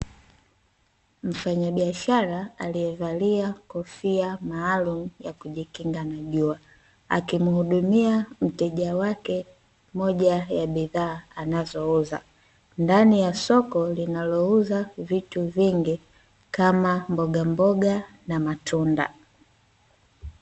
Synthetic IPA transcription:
m̩faɲaɓiaʃaɾaalijɛvaliakɔfiamaːlum̩jakuʄikiŋɡanaʄua | a̰kimuhuɗumiam̩tɛʄawakɛ | mɔʄajaɓiðaːanazɔuza̰ | ndanijasɔkɔlinalɔuzavituviŋɡi | kamambɔɡambɔɡa | namatʰunda̰

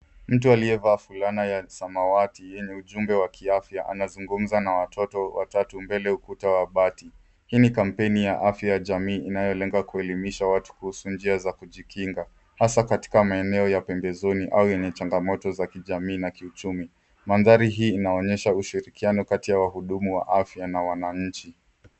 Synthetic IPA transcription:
m̩tualiɛvaːfulanajasamawatijɛɲɛuʄumbɛwakʰiafjaʔa̰nazuŋɡum̩zanawatʰɔtɔwa̰tatumbɛlɛukutawaɓati | hiːnikam̩pɛnijaʔafjajaʄamiːʔːnajɔlɛŋɡakuɛlimiʃawatu̥kuhusund͡ʒiazakuʄikiŋɡa | hasakati̥kamaɛnɛɔjapɛmbɛzɔniʔaujɛɲɛt͡ʃaŋɡamɔtɔzakiʄamiːnakiut͡ʃumi | manðaɾiɦiːnaɔɲɛʃauʃiɾikianɔkatijawaɦuɗumuwa̰ʔafjanawanaɲ̩t͡ʃi

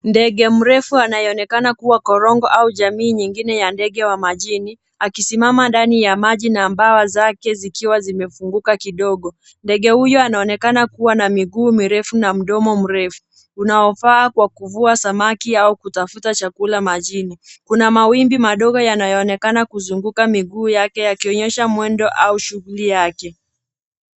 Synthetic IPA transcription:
ndɛɠɛm̩ɾɛfuanajɔɔnɛkanakuwakɔɾɔŋɡɔʔauʄamiːɲiŋɡinɛjandɛɠɛwamaʄini | akisimamandanijamaʄinambawazakɛzikiwazimɛfuŋɡukakiɗɔɠɔ | ndɛɠɛhujɔanaɔnɛkanakuwanamiɠuːmiɾɛfunam̩ɗɔmɔm̩ɾɛfu̥ | unaɔfaːkwakuvuasamakiaukutafutat͡ʃakulamaʄinikunamawimbimaɗɔɠɔjanajɔːnɛkanakuzuŋɡukamiɠuːjakɛjakiɔɲɛʃamwɛndɔʔauʃuɣulijakɛ

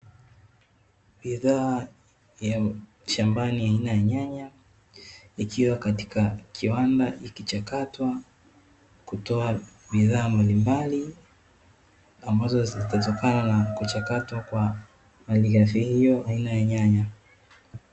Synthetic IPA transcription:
biðaː | ja | ʃambaniainajaɲaɲa | ikʰiwakati̥kakʰiwandaʔikit͡ʃakatwa | kutɔa | ɓiðaːmbalimbali | ambazɔzzitatɔkananakut͡ʃakatwakwa | maliɣaθihijɔʔainajaɲaɲa

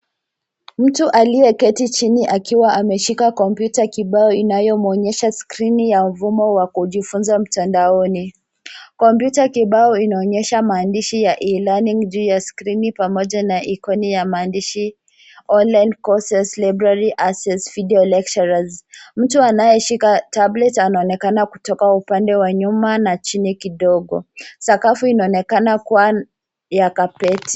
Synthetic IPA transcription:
m̩tuʔaliɛkɛtit͡ʃiniʔakiwaʔamɛʃikakɔmpjutakiɓaɔinajɔmɔɲɛʃaskɾinijam̩vumɔwakuʄifunzam̩tandaɔni | kɔmpjutakiɓaɔinaɔɲɛʃamaːndiʃijaʔilaniŋd͡ʒuːjaskɾinipamɔʄanaʔikɔnijamaːndiʃi | ɔnlajnkɔsɛslabɾaɾiʔasɛsvidiɔlɛk̚t͡ʃaɾazm̩tuanajɛʃikatablɛtanaɔnɛkanaku̥tɔkaupandɛwaɲumanat͡ʃinikiɗɔɠɔ̰sakafuinaɔnɛkanakuwa | jakapɛti̥

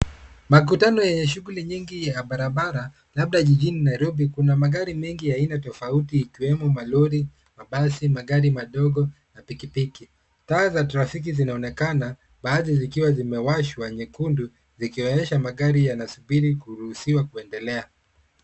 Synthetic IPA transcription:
mak̬utanɔjɛɲɛʃuɡuliɲiŋɡijaɓaɾaɓaɾa | laɓ̚ɗaʄiʄininajɾɔbikunamaɡaɾimɛŋɡijainatɔfautiːkiwɛmɔmaluɾi | maɓasimaɠaɾimaɗɔɡɔ | napikipiki | taːzataɾafik̬izinaɔnɛkana | ɓaːðizikiwazimɛwaʃwaɲɛkundu | zikiɔɲɛʃamaɠaɾijanasuɓiɾikuɾuhusiwakuɛndɛlɛa

